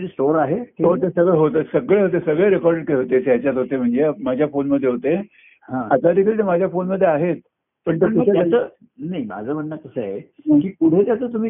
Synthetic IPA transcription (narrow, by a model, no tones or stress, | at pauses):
ɾisʈoɾaɦeot̪esəɡɭeɦot̪əsəɡɭeɦot̪̬esəɡɭeɾekɔɾɖeʈ̚kəeɦot̪et͡sjat͡ɕjat̪ɦot̪em̤əɳd͡zemad͡ʑʱjafonməd̪ʱːjeɦot̪e | hãat̪ad̪ikʰəlt̪emad͡ʑʱjafonməd̪ʱːjeaɦet̪̚ | pəɳt̪ekuaaə | naima̰d͡zʱəb̤ʱənːak̪əsəaɦeməɳkiːkuʈʰet̪jat͡səːt̪um̤iː